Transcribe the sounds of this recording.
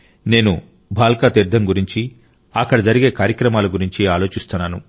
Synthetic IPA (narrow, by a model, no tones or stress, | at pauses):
ne̞ːnu | bʱaːlkaːt̪iɾd̪ʱːɐmɡuɾiɲt͡ʃi | ɐkːɐɽɐd͡ʒɐɾiɡe̞ːkaːɾjɐkɾɐmaːluɡuɾiɲt͡ʃiaːlo̞ːt͡ʃist̪unːaːnṵ